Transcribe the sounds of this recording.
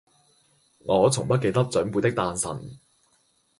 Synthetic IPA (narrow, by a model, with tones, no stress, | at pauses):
ŋɔː˨˧t͡sʰʊ˨˩ŋpɐ˥t̚ke˧jt̪ɐ˥k̚t͡sœ˨˥npu˨˧jt̪ɪ˥k̚t̪aː˧nsɐ̰˨˩n